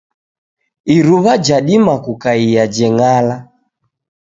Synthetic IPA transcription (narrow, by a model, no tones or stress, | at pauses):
iɾuβad͡ʒaɗimakukaiad͡ʒɛŋala